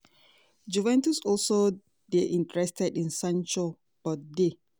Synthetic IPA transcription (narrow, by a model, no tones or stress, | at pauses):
d͡ʒuvɛ̃ntusɔlso | deʔĩntəɹɛstɛdĩnsãnt͡ʃɔ | bɔde